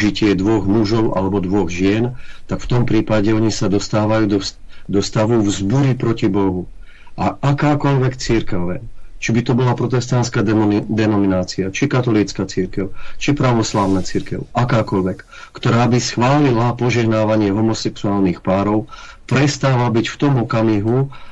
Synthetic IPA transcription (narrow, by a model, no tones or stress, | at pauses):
ʒicɪɛd̪ʋɔɣmuʒɔʊʔa̰lɛbɔd̪ʋɔɣʒɪɛnt̪akft̪ɔmpɾiːpaɟɛɔɲisad̪ɔst̪aːʋajuːd̪ɔ | d̪ɔst̪aʋuvzbuɾipɾɔcibɔɦu | ʔaʔakaːkɔʎʋɛkt͡siɾkɛʊɛ̰t͡ʃibit̪ɔbɔlapɾɔt̪ɛst̪ant̪skaːd̪ɛnɔminaːt͡siat͡ʃikat̪ɔliːt͡skat͡siɾkɛʊt͡ʃipɾaʋɔslaːʊnat͡siɾkɛʊakaːkɔʎʋɛkː | kt̪ɔɾaːbisxʋaːlilapɔʒɛɦnaːʋaɲɪɛɦɔmɔsɛksuaːlnixpaːɾɔʊ | pɾɛst̪aːʋabicft̪ɔmɔkamiɦu